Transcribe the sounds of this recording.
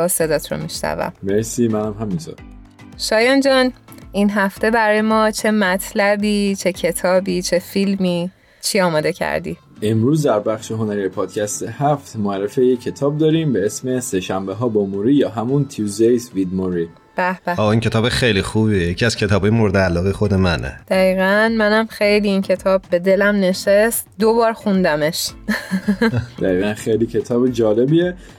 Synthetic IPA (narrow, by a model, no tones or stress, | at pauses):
se̞d̪ɒːt̪ʰɾo̰miʃnæ̰væ̰mmeɾsimænæmɦæmint̪ʰo̰ːɾ | ʃɒːjɒnd͡ʒɒːnʔinɦæft̪e̞bæɾɒːjemɒːt͡ʃʰe̞mæt̪ʰlæbiːt͡ʃʰe̞cʰe̞t̪ʰɒːbiːt͡ʃʰe̞filmiː | t͡ʃʰiɒːmɒːd̪e̞cʰæ̰ɾd̪ḭ | ʔe̞mɾuːzd̪æɾbæχʃeɦonæɾiepʰɒːd̪̥̚cʰæst̪ehæft̪moæɾːefejecʰːe̞t̪ʰɒːb̚d̪ɒːɾiːmbeesme̞seʃæmbeɦɒːbomuɾijɒːɦæmunt̪ʰiuzd̪ejsvid̪moɾi | b̥æb̥æɒːiːŋcʰe̞t̪ʰɒːbexejlixuβiejecʰiæz̥cʰe̞t̪ʰɒːb̥ɒːjemoɾed̪eælːɒːɣejexod̪e̞mænʔḛd̪̥æiːɣænmænæmxejliincʰe̞t̪ʰɒːbbe̞d̪e̞læmne̞ʃest̪d̪obɒːɾxund̪æme̞ʃ | d̪æiːɣænxejliːcʰe̞t̪ʰɒːbed͡ʒɒːlebie